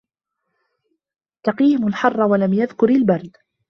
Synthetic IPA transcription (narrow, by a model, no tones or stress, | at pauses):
t̪aqiːmʊlħɑrˤːɑwalamjaðkʊɾalbɑɾˤd̪